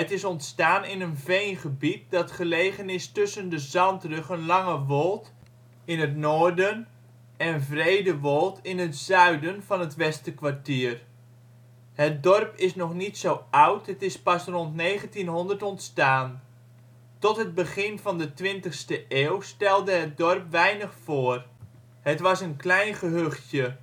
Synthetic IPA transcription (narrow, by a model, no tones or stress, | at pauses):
ətɪsɔntstaːnɪnənvejnχəbit̚dɑtχəlejχənɪstɵsəndəzɑntrɵχənlɑŋəʋɔlˠt | ɪnɦətnoːɹdən | ɛnvrejdəʋɔlˠtɪnɦətz̥œɥdənv̥ɑnɦətʋɛstəkʋaɹtiːr | hət̚dɔrpɪsnɔχnitsowʌwtətɪspɑsrɔntnejχəntinɦɔndərtɔntstaːn | tɔtɦəd̚bəχɪnvɑndətʋɪntəxstəʔeːwstɛlˠdəɦət̚dɔrpʋɛjnəχfoːər | hətʋɑsənklɛjnχəɦøχtjə